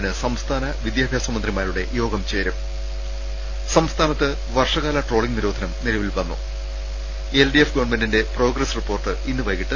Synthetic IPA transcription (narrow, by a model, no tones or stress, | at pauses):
nɨsɐmst̪ʰaːnɐʋid̪jaːbʱjaːsɐmɐnd̪rimaːɾuɽe̞jo̞ːɡɐmt͡ɕe̞ːɾɐm | sɐmst̪ʰaːnɐt̪ːɨ | ʋɐrʂɐɣaːlɐʈro̞ːɭiŋniɾoːd̪ʱɐnɐmnilɐʋilʋɐnːṵ | elɖijefɡɐʋɐrɳmendinde̞pro̞ːɡrɐsripːo̞ːrʈɨinːupɐjkːiʈːɨ